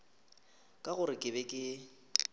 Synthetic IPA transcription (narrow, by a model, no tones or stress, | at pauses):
kʼaɣʊɾɪkʼɪbɛkʼɪ